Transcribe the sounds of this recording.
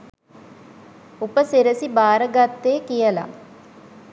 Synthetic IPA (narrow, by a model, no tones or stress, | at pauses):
upəseɾəsibaːɾəɡat̪ːeːkijəla̰